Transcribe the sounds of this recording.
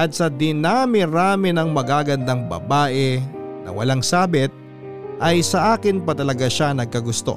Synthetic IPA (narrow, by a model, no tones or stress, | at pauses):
ʔɐt̪̚sɐd̪ɪnaːmɪɾaːmɪnɐŋmɐɡaːɡɐnd̪aŋbɐ̰baːʔɛnɐ̰wɐ̰laŋsaːbɪt̪̚ | ʔɐjsɐʔaːkɪnpɐt̪ɐlɐɡaʃanɐɡ̚kɐɡʊst̪o̞̰